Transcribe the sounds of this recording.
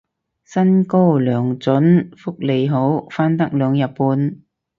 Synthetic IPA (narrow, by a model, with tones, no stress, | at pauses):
sɐ˥nko˥wlœː˨˩ŋt͡sɵ˨˥nfʊ˥k̚le˨˧jɦo˨˥wfaː˥nt̪ɐ˥k̚lœː˨˧ŋjɐ˨t̚puː˨˧n